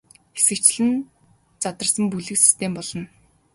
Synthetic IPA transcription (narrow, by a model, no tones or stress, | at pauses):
xesɡɘ̆kt͡ɕɮɘ̆n | t͡sat̪ə̆rsə̆mpuɮɘ̆ksi̥st̪ʰempɔɮ̥ɞ̆n